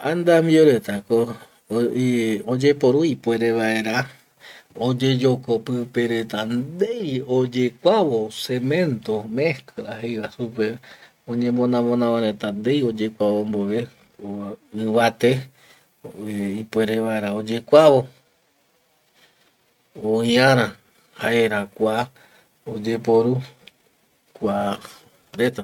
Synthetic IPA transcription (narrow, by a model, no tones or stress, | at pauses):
ãnd̪amioɾe̞t̪ako | od͡ʒe̞po̞ɾuipwʷe̞ɾeβae̞ɾa | od͡ʒe̞d͡ʒo̞kopɨpeɾe̞t̪and̪ejod͡ʒekʷaβo̞se̞mẽ̞nt̪omehkɨɾahejwasupe̞ | õɲẽ̞mõnãmõnãʋãɾet̪and̪e̞jo̞d͡ʒe̞kʷawombo̞ʋe | oɨβat̪e | ipʷe̞ɾeʋaeɾaod͡ʒe̞kʷaβo̞ | oĩãɾ̃ã | haʔeɾakʷa | od͡ʒepoɾu | kʷa | ɾet̪a